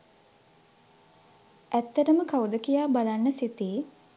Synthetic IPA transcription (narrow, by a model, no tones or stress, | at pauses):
ʔæt̪ːəʈəməkawd̪əkijaːbalanːəsit̪eː